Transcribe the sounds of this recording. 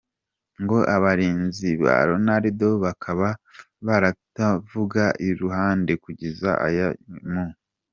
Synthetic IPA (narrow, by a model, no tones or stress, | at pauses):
ŋɡo̞ʔaβaɾiːnziβa̰ɾo̞naɾido̞βakʰaβa | βaɾatavuɡaʔiɾuhaːnde̞kuɟeza̰ʔa̰jamo